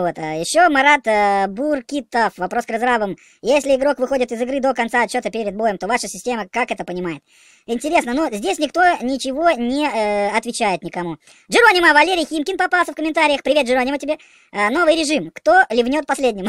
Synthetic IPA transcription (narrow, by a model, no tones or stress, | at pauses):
vo̞t̪jɪɕːo̞mɐɾat̪burkʲit̪əfvɐpɾo̞skɾɐzɾavəm | jesʲlʲɪɪɡɾo̞kvɨxo̞dʲɪt̪ɪzɨɡɾɨd̪o̞kɐnsaɐt͡ɕːot̪əpʲeɾʲɪd̪̚bo̞jəmt̪o̞vaʂəsʲɪsʲtʲeməkakɛt̪əpənʲɪmajɪt̪ | ɪnʲtʲɪɾʲe̞snənozʲdʲesʲnʲɪkt̪o̞nʲɪt͡ɕɪvo̞nʲɪɐt̪vʲɪt͡ɕæjɪt̪nʲɪkɐmu | ʐɨɾonʲɪməvɐlʲeɾʲɪjxʲimkʲɪnpɐpalˠsʲəfkəmʲɪnt̪aɾʲɪjəxpɾʲɪe̞t̪ʐɨɾonʲɪmətʲɪbʲe | no̞vɨjɾʲɪʐɨmkt̪o̞lʲɪvnʲo̞t̪̚pɐsʲlʲedʲnʲɪm